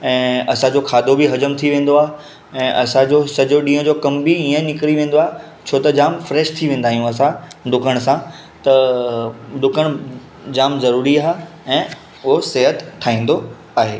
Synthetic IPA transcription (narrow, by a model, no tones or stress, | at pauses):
ɛ̃ːɐsãd͡ʑoːkʰaːd̪ʱobiɦɐd͡ʑəmt̪ʰiʋẽːn̆d̪oaːɦe | ɛ̃ːʔɐsãd͡ʑoːsɐd͡ʑoɗĩːə̃d͡ʑoːkɐmbiiːə̃nɪkɾiʋẽːn̆d̪oaːɦe | t͡ɕʰoːt̪ɐd͡ʑaːmfɾɛːʃt̪ʰiʋẽːnd̪aːɦijũɐsãɖʊkʰəɽ̃sã | t̪ɐ | ɗʊkʰəɽ̃ | d͡ʑaːmzɐɾuːɾiaːɦ | ɛ̃ː | ʊɦoseɦət̪ʰːaːĩːn̆d̪o | aːɦeː